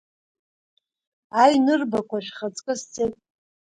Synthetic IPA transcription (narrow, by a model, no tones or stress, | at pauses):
ajnɨrbakʷʰaʃᶣχat͡sʼkʼɨst͡sʰʼetʼ